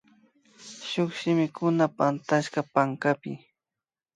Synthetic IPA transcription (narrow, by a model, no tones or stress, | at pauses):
ʃʊχʃɪmɪkʊnapant̪aʃkapaŋkapɪ̰